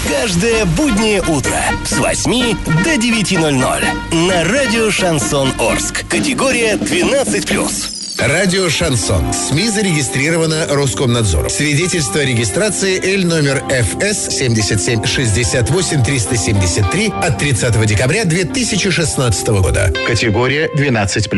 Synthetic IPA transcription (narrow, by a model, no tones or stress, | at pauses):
kaʐd̪əjəbudʲnʲɪjəʔut̪ɾə̰svɐ̰sʲmʲid̪ədʲɪvʲɪtʲinolʲno̰lʲnɐradʲɪoʂɐnsono̰rskkːətʲɪɡoɾʲɪjəd̪vʲɪnat̪sɨtʲplʲṵs | radʲɪoʂɐnso̞̰nsmʲizəɾʲɪɡʲɪst̪ɾʲiɾəvənəruskomnad̪zo̰ɾʊ̰svʲɪdʲetʲɪlʲst̪vəɾʲɪɡʲɪst̪ɾat̪sɨɪʔɛlʲno̞mʲɪrɛfɛssʲemʲdʲɪsʲət̪sʲemʲʂɨzʲdʲɪsʲat̪vo̞sʲɪmʲt̪ɾʲist̪əsʲemʲdʲɪsʲət̪ːɾʲiɐt̪ːɾʲɪt̪sat̪əvədʲɪkɐbɾʲad̪vʲet̪ɨsʲɪt͡ɕɪʂɨsnat̪sɨ̥t̪əvəɡo̰d̪ə̰kətʲɪɡoɾʲɪjəd̪vʲɪnat̪sɨtʲplʲ